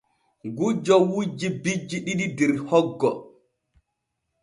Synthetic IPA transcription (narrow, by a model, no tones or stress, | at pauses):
ɡud͡ʒɔwud͡ʒibid͡ʒːiɗiɗidɛɾhɔɡːɔ